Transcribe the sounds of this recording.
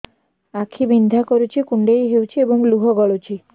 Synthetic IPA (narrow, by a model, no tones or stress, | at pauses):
akʰibind̪ʱakoɾut͡ɕʰikuɳɖejɦewt͡ʃʰieboŋluɦɔɡɔɭot͡ɕʰi